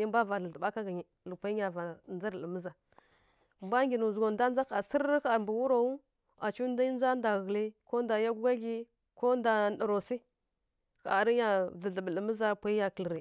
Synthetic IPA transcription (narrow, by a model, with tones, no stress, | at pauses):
i˦mba˦va˨ɮə˨ə˨ɓa˦ka˦ɡa˨ɲi˨ | lə˨pʷa˦ɲa˨va˨nd͡zə˦ɾlə˨mə˦za˨ | mba˦ŋɡi˨nu˨zɡo˨nda˦n˦d͡za˦ka˨sə˦ɾka˨ɾmbu˨wu˦ɾo˨wu˦ | a˨t͡ʃu˦n˦da˦i˦n˦za˦nda˨ɣə˨li˦ko˦nda˨ja˦ɡu˦ɡa˦ɡi˦ | ko˦nda˨nɗə˨ɾo˨si˦ | ka˨a˨ɾi˦ja˨və˨ɮə˨bə˨lə˨mə˦za˦pʷa˦i˦ja˨kə˨lɾi˨